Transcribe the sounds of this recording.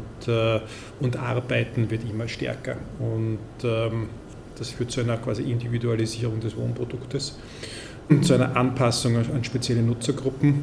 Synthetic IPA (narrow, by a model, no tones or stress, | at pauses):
tʰː | ʊntʔa̰ʁbaɪtn̩vɪɐtɪmːəʃtɛ̰ɐkɐ̰ʊnt | ɛ | d̥asfyːɐt̚t͡suæɪnɐkʰv̥aːziʔɪndividualiziːʁʊŋdɛsv̥o̰ːnpʁ̥od̥ʊktəs | t͡suæɪnɐ̰ʔanpʰasʊŋanʃpet͡sjɛlənʊt͡sɐɡʁʊpm̩